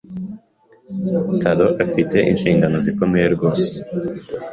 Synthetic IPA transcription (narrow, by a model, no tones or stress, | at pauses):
tʰaɾoʔafite̞ʔḭnʃiːŋɡano̞ziko̞mejeɾɡo̞ːse̥